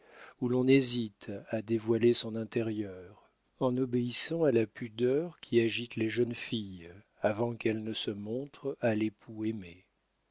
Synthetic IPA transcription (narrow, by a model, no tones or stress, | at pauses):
ulɔ̃nezit̪ad̪evwalesɔ̃nɛ̃t̪ɛʁjœʁ | ɑ̃nɔbeisɑ̃alapyd̪œʁkʲʰiaʒit̪leʒənfij | avɑ̃kɛlnəsəmɔ̃t̪χalepʰueme